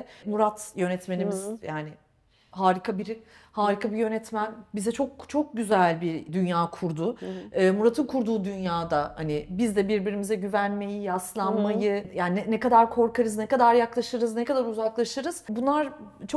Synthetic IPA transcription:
muɾat̪jø̞nɛt̪me̞nimizjaːnɪ | ɦaːɾikʰabiɾ | haːɾikʰabijø̞nɛt̪mænbizɛt͡ʃʰo̞k̚t͡ʃʰo̞k̚ɟyzælʲbiɾd̪ynjaːkʰuɾd̪ʊɯːmuɾat̪ʰɯnkʰuɾd̪uːd̪ynjaːd̪ahanɪbizd̪ɛbiɾbiɾimizɛɟyvænme̞jijaslˠanmajɯjaːnnɛkad̪aɾkʰo̞ɾkʰaɾɯznɛkad̪aɾjaklˠaʃɯɾɯznɛkad̪aɾuzaklˠaʃɯɾɯz̥bunlˠaɾ | t͡ʃʰo

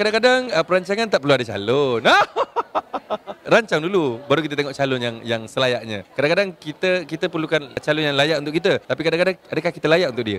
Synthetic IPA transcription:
kadaŋkadaŋəpəɾaɲt͡ʃaŋant̪aʔpəɾluadat͡ʃa̰lʊna | ɾaɲt͡ʃaŋdulubaɾuk̬it̪̬ət̪ɛŋɔʔt͡ʃalʊnjaŋjaŋsəlajaʔɲã̰kadaŋkadaŋkit̪əkit̪əpərlukant͡ʃalʊnjaŋlajaʔunt̪ʊkːit̪̬ət̪apikadaŋkadaŋadəkahkit̪əlajaʔunt̪ʊk̚ʔdiə̰

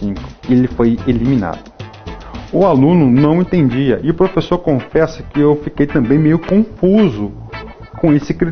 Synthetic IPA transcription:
ĩkʊ̥elɪfojelimĩna̰d̪ʊ | ʊalũnʊnɐ̃w̃ẽt̪ẽnd͡ʒiɐʔɪʊpɾofesoɾkõfɛsɐkɪewfikejt̪ɐ̃mbẽj̃mejʊkõfuzʊ | kõesɪkɾi

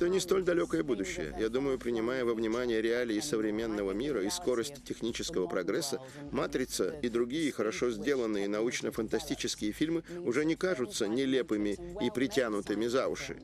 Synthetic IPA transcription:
ɛt̪ənʲɪst̪o̞lʲd̪ɐlʲokəjəbud̪ʊɕːɪ̰jə̰jad̪uməjʊpɾʲɪnʲɪmajəvəvnʲɪmanʲɪjəɾʲɪalʲɪːsəvɾʲɪmʲe̞nːəvəmʲiɾəisko̞ɾəsʲtʲtʲːɪxnʲit͡ɕɪskəvəpɾɐɡɾɛsːə | mat̪ɾʲɪt̪səid̪ɾʊɡʲijəxəɾɐʂo̞zʲdʲe̞lˠənːɨjənɐut͡ɕnəfənt̪ɐsʲtʲit͡ɕɪskʲɪjəfʲilʲmɨʊʐɛnʲɪkaʐʊt̪sənʲɪlʲe̞pɨmʲɪipɾʲɪtʲanʊt̪ɨmʲɪzavʊ̰ʂɨ̰

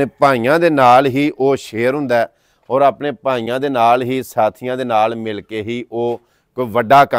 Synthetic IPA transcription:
eːpãːiːjãːd̪eːnaːlɦiːʔoːʃeːɾɦʊ̃nd̪aɛː | ɔːɾaːpɳeːpãːiːãːd̪eːnaːlɦiːsaːt̪ʰɪjãːd̪eːnaːlmɪlkeːɦiːʔoː | koʋəɖːaːkə

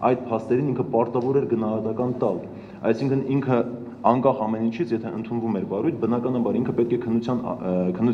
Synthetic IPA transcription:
ɑjd̪̚pʰɑst̪ɛɾiniŋkʰəpɑɾt̪ɑvɔɾɛɾɡənɑɦɑt̪ɑkɑnt̪ɑl | ɑ̰jsiŋkʰəniŋkʰə | ɑŋkɑχɑmɛnint͡ʃʰit͡sʰjɛt̪ʰɛʔənt̪ʰunvumɛɾvɑɾujt̪̚ʰbənɑkɑnɑmɑɾiŋkʰəpɛt̪kʰɛkʰənːut͡sʰjɑnkʰənːu

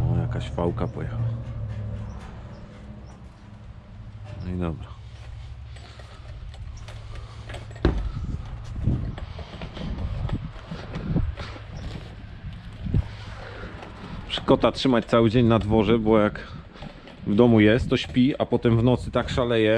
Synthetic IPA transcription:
ɔjakaɕfawkapɔjɛxawa | id̪ɔbɾa | pʂkɔt̪atʂɘmat͡ɕt̪sawɘd͡ʑeɲnad̪vɔʐɛbɔjak | vd̪ɔmujɛst̪ːɔɕpʲiapɔt̪ɛmvnɔt̪sɘ̥t̪akʂalɛjɛ

